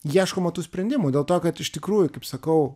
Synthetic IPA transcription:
jiɛʃkoːmɐt̪uːsʲpʲɾʲɛnʲd̪ʲɪmudʲeːlˠt̪oːkɐt̪ɪʃt̪ʲɪkɾuːjʊkɐɪpsɐkɐʊ

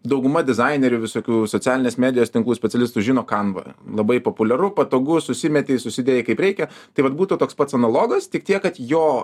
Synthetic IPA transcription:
d̪ɐʊɡʊmɐd̪ʲɪzɐɪnʲɛɾʲʊʋʲɪsoːkʲuːsoːt͡sʲæːlʲɪnʲeːsmʲæːd̪ʲɪjoːst̪ʲɪŋklˠuːsʲpʲɛtt͡sʲɛlʲɪst̪uʒʲɪnoːkɐnʋɐ̰lˠɐbɐɪpoːpʊlʲɛɾʊpɐt̪oːɡʊsʊsʲɪmʲɛt̪ʲeːsʊsʲɪd̪ʲeːjɛɪkɐɪpɾʲɛɪkʲɛt̪ɐɪʋɐt̪buːt̪ut̪oːkspɐt̪sɐnɐlˠoːɡɐst̪ʲɪk̚t̪ʲiɛkkɐt̪joː

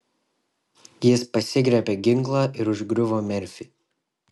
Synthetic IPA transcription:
jɪspɐsʲɪɡɾʲɛpʲɛɡʲɪŋklˠɑːʔɪɾʊʒɡɾʲʊʋoːmʲɛɾʲfʲiː

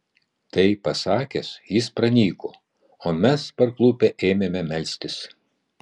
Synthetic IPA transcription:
t̪ɐɪpɐsɑːkʲɛsjɪspɾɐnʲiːkoː | oːmʲɛspɐɾklˠupʲɛʔeːmʲemʲɛmʲɛlʲsʲt̪ʲɪs

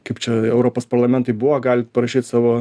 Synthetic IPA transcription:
kɐɪpt͡ʃʲɛɛʊɾoːpoːspɐɾlˠɐmʲɛnt̪ɐɪbuʋɐɡɑːlʲɪt̪pɐɾɐʃʲiːt̪ʲsɑːʋoː

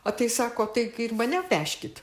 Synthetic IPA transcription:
ɐt̪ɐɪsɑːkoːt̪ɐɪɪrmɐnʲɛpʲæːʃʲkʲɪt̪

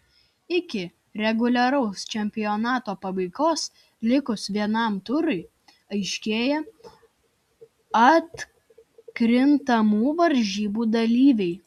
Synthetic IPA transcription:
ɪkʲɪ | ɾʲɛɡʊlʲɐɾɐʊst͡ʃʲɛmʲpʲɪjoːnɑːt̪oːpɐbɐɪkoːs | lʲɪkʊsʋʲiɛnɐˑmt̪ʊɾʊɪ | ɐɪʃʲkʲeːjɛ | ɐt̪ | kɾʲɪnt̪ɐmuːʋɐɾʲʒʲiːbuːd̪ɐlʲiːʋʲɛɪ

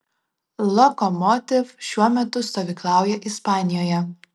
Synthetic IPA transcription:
lˠɔkɔmɔt̪ʲɪfʃʲuɔmʲɛt̪ʊst̪oːʋʲiːklˠɑˑʊjɛʔɪspɑːnʲɪjoːjɛ

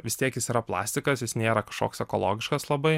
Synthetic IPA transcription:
ʋʲɪst̪ʲiɛkjɪsiːɾɐplˠɑ̰ːsʲt̪ʲɪkɐsjɪsnʲeːɾɐkɐʃko̰ːksɛkoːlˠo̰ːɡʲɪʃkɐslˠɐbɐɪ

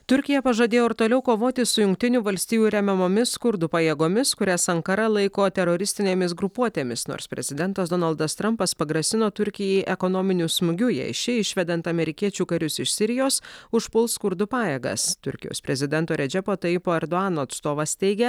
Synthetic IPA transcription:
t̪ʊɾʲkʲɪjɛpɐʒɐːd̪ʲeːjoːɪɾt̪oːlʲɛʊkoːʋoːt̪ʲɪsʊjʊŋk̚t̪ʲɪnʲuːʋɐlʲsʲt̪ʲiːjuːɾʲɛmʲɛmoːmʲɪskʊɾd̪ʊpɐjeːɡoːmʲɪskʊɾʲɛsɐŋkɐɾɐlˠɐɪkoːt̪ʲɛɾoːɾʲɪsʲt̪ʲɪnʲeːmʲɪsɡɾʊpuɔt̪ʲeːmʲɪsno̰ːɾsʲpʲɾʲɛ̰zʲɪd̪ʲɛnt̪ɐsd̪ɔːnɐlˠd̪ɐst̪ɾɐmpɐspɐɡɾɐsʲɪnoːt̪ʊɾʲkʲɪjɛɪʔɛkonoːmʲɪnʲuːsmʊɡʲʊjɛ̰ɪʃʲɪɪʃʲʋʲɛd̪ʲɛnt̪ɐmʲɛɾʲɪkʲiɛt͡ʃʲuːkɐɾʲʊsɪʃsʲɪɾʲɪjoːsʊʃpʊlˠskʊɾd̪ʊpɑːjeːɡɐ̰st̪ʊ̰ɾʲkʲɪjo̰ːsʲpʲɾʲɛzʲɪd̪ʲɛnt̪oːɾʲɛd͡ʒʲɛpoːt̪ɐɪpoːɛɾd̪oɑːnoːɐt̪st̪oːʋɐst̪ʲɛɪɡʲɛ

